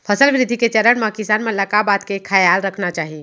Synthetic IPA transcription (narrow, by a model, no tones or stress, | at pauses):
pʰəsəlʋɾid̪ʱiket͡ʃəɾəɽmãkisanmeləkabat̪kekʰajalɾəkʰnat͡ʃaɦi